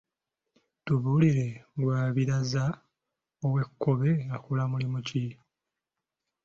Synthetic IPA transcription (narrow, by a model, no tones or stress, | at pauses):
tuβuliɾe̞ɡwaːβiɾaza | owe̞kːoβeakulamulimuci